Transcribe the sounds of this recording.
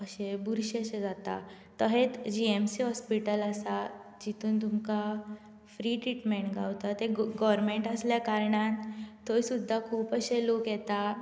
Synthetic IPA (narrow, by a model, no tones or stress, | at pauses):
əɕebuɾɕeɕed͡zat̪a̰ | t̪əɦet̪d͡ʑiemsiɦɔspiʈələsad͡ʑit̪ʰuːnt̪umka | fɾiːʈɾiʈmeɳʈɡʱawt̪at̪eɡɔɾmeɳʈəsljakaɾɳat̪ojsud̪ʱːakʰuːpəɕelokjɛt̪a